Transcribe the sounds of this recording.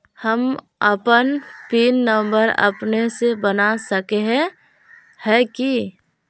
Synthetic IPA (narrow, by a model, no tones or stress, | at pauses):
həm | əpənpiːnːəmbəɾə̰pnesebənasəkeɦɛ̃ | hɛki